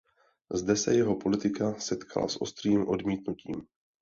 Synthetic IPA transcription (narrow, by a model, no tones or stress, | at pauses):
zdɛsɛ̰jɛɦo̞po̞lɪt̪ɪkasɛt̪kʰa̰la̰sʔo̞st̪r̝̥iːmʔo̞dmiːt̪nuciːm